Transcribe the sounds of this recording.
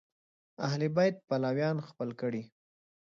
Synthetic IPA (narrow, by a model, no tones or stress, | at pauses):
ahlibɑjt̪̚palawjɑnxpəlkəɽi